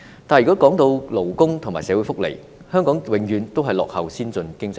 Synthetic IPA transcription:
t̪aː˨njy˨kɔː˨˥kɔː˨˥ŋt̪o˧wlo˨˩wkʊ˥ŋt̪ʰʊ˨˩ŋmaː˨˩jsɛː˨˥wu˨˧˥fʊ˥k̚lḛ˨˩j | hœː˥ŋkɔː˨˥ŋwɪ˨˥ŋjyː˨˧nt̪o˥wɦɐ˨jlɔː˨k̚hɐ˨wsiː˥nt͡sɵ˧nkɪ˥ŋt͡s

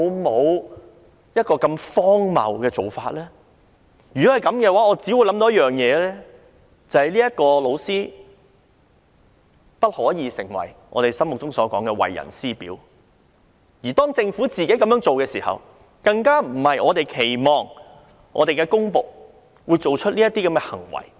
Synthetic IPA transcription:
ɐ˨˧wmo˨˧w | jɐ˥t̚kɔː˧kɐ˧mfɔː˥ŋmɐ̰˨wkɛː˧t͡so˨wfaː˧t̚lɛː˥ | jyː˨kɔ˨˥hɐ˨jkɐ˨˥mkɛː˧waː˨˥ɔː˨˧t͡siː˨˥wu˨˧jlɐ˨˥mt̪o˧˦jɐ˥jœː˨ŋjɛː˨˧lɛː˥ | t͡sɐ˨˧hɐ˨jliː˥ɐ˥t̚kɔː˧lo˨˧wsiː˥ | pɐ˥t̚hɔː˨˥jiː˨˧sɪ̰˨˩ŋwɐ̰˨˩jʔɔ̰ː˧t̪e˨jsɐ˥mʊ˨k̚t͡sʊ˥ŋsɔː˨˦˥kɔː˨˥ŋkɛ˧wɐ̰˨jːɐ̰˨˩nsiː˥pḭː˨˥w | jiː˨˩t̪ɔː˥ŋt͡sɪ˧ŋfuː˨˥t͡siː˨ke˨˥jkɐ˨˥mjœː˨˥ŋt͡so˨wkɛː˧siː˨˩hɐ̰˨w | kɐ˧ŋkaː˥m̩˨˩hɐ˨jɔː˨˧t̪e˨jkʰe˨˩jmɔː˨˩ŋ | ʔɔ̰ː˨˧t̪e˨jkɛ˧kʊ˥ŋpo˨k̚ | wuː˨˧jt͡so˨wt͡ʃʰɵ˥t̚liː˥jɐ˥t̪iː˥kɐ˨˦mŋkɛː˧hɐ̰˨˩ŋwɐ̰˨˩j

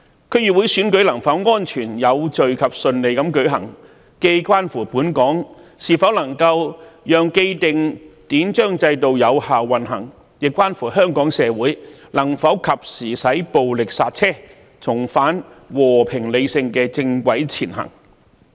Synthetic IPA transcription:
kʰɵ˨˧ɥjyː˨wu˨˥jsyː˨˥nkɵ˨˥ɥlɐ˨˩ŋfɐ˨˥wŋɔː˥nt͡ʃʰyː˨˩njɐ˨˧wt͡ʃɵ˨ɥkʰɐ˨p̚sɵ˧nle˨˧jkɐ˨˥mkɵ˨˥ɥɦɐ̰˨˩ŋ | ke˧jkʷaː˥nfuː˨˩puː˨˥nkɔː˨˥ŋsiː˨˩fɐ˨˥wlɐ˨˩ŋkɐ˧wjœː˨ŋke˧jt̪ɪ˨ŋt̪iː˨˥nt͡ʃœː˥ŋt͡sɐ˧jt̪̬o˨wjɐ˨˧whaː˨wːɐ˨nɦɐ˨˩ŋ | jɪ˨kʷːwaː˥nfuː˨˩ɦœː˥ŋkɔː˨˥ŋsɛː˨˧wuː˨˥jlɐ˨˩ŋfɐ˨˥wkʰɐ˨p̚siː˨˩sɐ˨˥jpo˨wlɪ˨k̚saː˧t̚t͡sʰɛː˥ | t͡sʰʊ˨˩ŋfaː˨˥nwɔː˨˩pʰɪ˨˩ŋle˨˧jsɪ˧ŋkɛː˧t͡sɪ˧ŋkʷɐ˨˥jt͡sʰiː˨˩nɦɐ̰˨˩ŋ

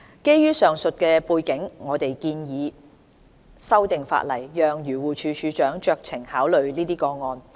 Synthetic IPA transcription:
ke˥jːyː˥sœː˨ŋsɵ˨t̚kɛː˧puː˧jkɪ˨˥ŋŋɔː˨˧t̪e˨jkiː˧njiː˨˧ | sɐ˥wt̪ɪ˨ŋfa̰ː˧t̚lɐ˨˩jːœː˨ŋjyː˨˩wuː˨˩t͡ʃʰyː˨˧t͡ʃʰyː˨˧t͡ʃœː˨˥ŋt͡ʃœː˧k̚t͡sʰɪ˨˩ŋhaː˨˥wlɵ˨ɥliː˥t̪iː˥kɔː˧ŋɔː˨˧n

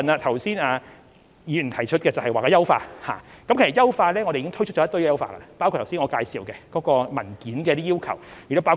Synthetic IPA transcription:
na˧t̪ʰɐ˨˩wsiː˥naː˧ | jiː˨˧˨t̪ʰɐ˨˩jt͡ʃʰɵ˥t̚kɛː˧t͡sɐ˨whɐ˨jwaː˨kaː˧jɐ˥wfa̰ː˧ha̰ː˨kɐ˦mk̚ʰjɐ˥wfaː˧tlɛː˥ŋɔ˨˧ɾe˨i˧˥ŋtʰɵ˥t͡ʃ̚ʰɔ˨˥t̪ɵ˥jɛ˧jɐ˥wfa̰ː˧kɐ̰˧la˧paː˥wku˧t̪ʰwsiː˥nŋɔː˨˧kaː˧jsiː˨˧wkɛ˧kɔː˨˥kɔː˧mɐ˨˩nkiː˨˥nkɛ˧˥t̪iː˥ji˥wkʰɐ˨˩wjy˨˩t̪o˥pa˥w

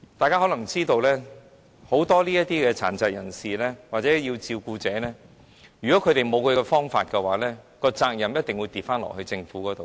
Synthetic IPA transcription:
t̪aː˨jkaː˥ɦɔ˨˥lɐ˨˩ŋt͡siː˥t̪o˧wlɛː˥ | ho˨˥wt̪ɔː˥liː˥jɐ˥t̚t̪iː˥kɛː˧t͡sʰa̰ː˨˩nt͡sɐ˨t̚jɐ˨˩nsiː˨lɛː˥waː˨˩t͡sɛː˨˥ji˧wt͡siː˧wkuː˧t͡sɛː˨˥nɛː˥ | jyː˨˩kɔ˨˦˥kʰɵ˨˧ɥɾe˨jmo˨˧wkʰɵ˧ɛ˧fɔː˥ŋfaː˧t̚kɛ˧waː˨˥lɛː˥kɔː˧t͡saː˧k̚jɐ˨˩mjɐ˥t̚t̪ɪ˨ŋwuː˨˧jt̪iː˨p̚faː˥nlɔ̰˨khɵ˧ɥt͡sɪ˧ŋfuː˨˥kɔː˨˥t̪o˨w

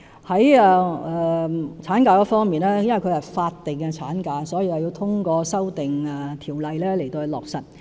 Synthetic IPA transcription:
hɐ˨˥jɛː˨˧ɛː˨t͡sʰaː˨˥nkaː˧kɔː˨˥fɔː˥ŋmiː˨nɛː˥jnwɐ˨˩jkʰɵ˧jhɐ˨jfaː˧t̚t̪ːɪ˨˩ŋkɛ˧t͡sʰa̰ː˨˥nkaː˧sɔː˨˥jiː˧t͡saː˨˧ji˧wt̪ʰʊ˥ŋkɔː˧sɐ˥wt̪ɪ˨ŋɛ˨˩t̪ʰiː˨˩wlɐ˨jlɛː˥le˨˩jt̪o˧hɵ˧lɔ̰ː˨k̚sɐ˨t̚

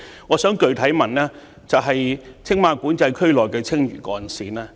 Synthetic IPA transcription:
ŋɔː˨˧sœː˨˥ŋkɵ˨ɥt̪ʰɐ˨˥jmɐ˨˩nlɛː˥ | t͡sɐ˨wɦɐ˨j | t͡sʰɪ˥ŋmaː˧kuː˨˥nt͡sɐ˧jkʰɵ˥ɥlɔː˨jkɛː˧t͡sʰɪ˥ŋjy̰ː˨˩kɔː˧nsiː˨˧nɛː˥

